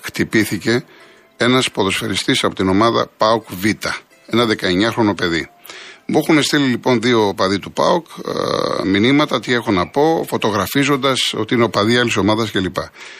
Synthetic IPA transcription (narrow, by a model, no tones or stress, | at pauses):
xt̪ipiθice̞ | e̞nɐspo̞ðo̞sfeɾist̪isɐpo̞t̪ino̞mɐðɐ̰pɐokvit̪ɐ | e̞nɐðe̞kɐe̞ɲɐxɾo̞no̞pe̞ðimexune̞st̪ililipo̞nðio̞pɐðit̪upɐ̰ok | minimɐt̪ɐt̪ie̞xonɐpo̞fo̞t̪o̞ɣɾɐfizo̞nd̪ɐso̞t̪iineo̞pɐðiɐliso̞mɐðɐsce̞lipɐ